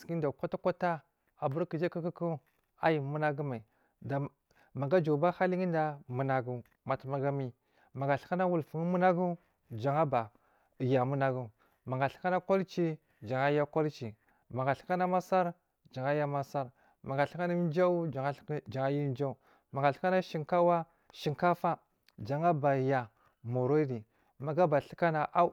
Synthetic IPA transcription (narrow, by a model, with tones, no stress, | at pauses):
ski˦n˦da˨kʷa˦ta˦kʷa˦ta˦ | a˨bu˦ɾki˨d͡ʒa˦ka˦ki˦ku˦ | a˦ji˨mu˦na˦ɡu˦ma˨i˨ | da˨ | ma˨ɡa˦d͡ʒa˨ba˦xa˦li˦ŋi˦nda˦mu˨na˨ɡu˦ | ma˨tma˨ɡa˦mi˦ | ma˨ɡa˨ɬka˦na˦wu˨lfu˨ŋ˦mu˦na˦ɡu˦ | d͡ʒa˨ŋa˦ba˨ | ja˨mu˦na˦ɡu˦ | ma˨ŋɡa˨ɬka˦na˦ko˦lt͡ʃi˦ | d͡ʒa˨ŋa˦ja˦ko˦lt͡ʃi˨ | ma˨ŋɡa˨ɬi̥˦ka˦na˦ma˦sa˦ɾ | d͡ʒa˨ŋa˦ja˦ma˦sa˦ɾ | ma˨ɡa˨ɬi̥˦ka˦na˦d͡ʒa˦u˦˨˦d͡ʒa˨ŋa˦ji˦d͡ʒa˦u˨ | ma˨ŋɡa˨ɬi̥˦ka˦na˦ʃi˨ŋka˦wa˦ | ʃi˨ŋka˦fa˦ | d͡ʒa˨ŋa˦ba˨ja˨ | mo˨ɾo˦i˦di˨ | ma˨ɡa˦ba˨ɬi˦ka˦na˨ʔa˦